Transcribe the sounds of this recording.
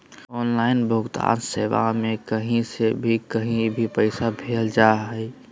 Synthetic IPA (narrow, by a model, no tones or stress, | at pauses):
ɔːnlaːɪnbʱʊɡt̪a̰ːnseːʋa̰mẽkəɦĩsebʱikəɦĩbʱipəɪsabʱeːld͡ʒaːɦɛɪ